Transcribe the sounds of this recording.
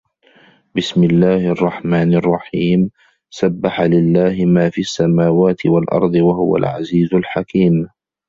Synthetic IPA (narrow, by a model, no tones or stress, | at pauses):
bɪsmɪlːaːhʔɑrˤːɑħmaːnɑrˤːɑħiːm | sabːaħalɪlːaːhɪmaːfiːʔasːamaːwaːt̪ʰɪwalʔɑ̰ɾˤd̪ˤɨwaɦʊ̰wa̰lʕa̰ziːzʊlħakiːm